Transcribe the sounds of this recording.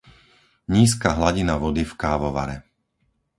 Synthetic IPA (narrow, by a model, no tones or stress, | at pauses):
ɲiːs̬kaːɦlaɟinaʋɔd̪ifkaːʋɔʋa̰ɾɛ